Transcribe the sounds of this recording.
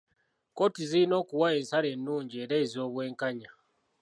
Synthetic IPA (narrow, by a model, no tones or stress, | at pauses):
ko̞tiziino̞ːkuwae̞ːnsale̞nːuːɲɟieɾe̞ːzo̞ːβwe̞ːŋkaɲa